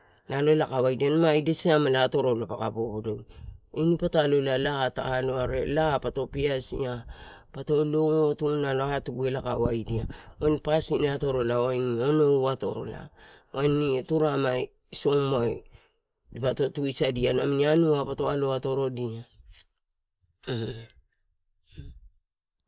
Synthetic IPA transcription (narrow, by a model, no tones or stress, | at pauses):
naloelakawajdianamaidesiamalaːto̞ɾolapakabobodoenipatalolalata̰ːloaɾelapato̞piasḭa | pato̞lootunaloaatuɡue̞lakawajdiaanipasiniato̞ɾo̞laoajniono̞ato̰ɾo̞̰la̰ | wʔanituɾamaj | so̞maj | dipato̞tuisadianaminianuapato̞aloato̞ɾo̞dia